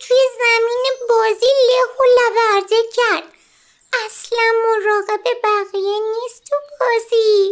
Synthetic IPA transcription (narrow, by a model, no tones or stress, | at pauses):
t̪ʰujezæmiːnebɒːziːleɣolævæɾzecʰæɾd̪̥̚ | ʔæslænmoɾɒːɣe̞bebæɣijeniːst̪ʰubɒːzi